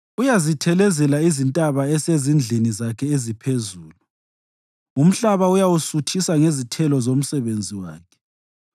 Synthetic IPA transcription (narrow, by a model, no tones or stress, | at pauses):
ujazitʰɛlɛzɛlaizintʼaβaɛsezind͡ɮʱinizakʰɛezipʰezuːlu | um̩ɬaβaujawusutʰisaŋezitʰɛlɔzom̩sɛβend͡zʱiwa̰ːkʰɛ̥